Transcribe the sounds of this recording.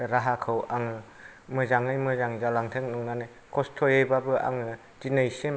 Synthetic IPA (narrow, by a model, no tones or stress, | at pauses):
ɾaɦakʰɯwaŋɯ | mɯzaŋɯjmɯzaŋzalaŋtʰeŋnuŋnanɯ | kɔstʰɔjejbabɯʔa̰ŋɯ | d͡ʒinɯjsem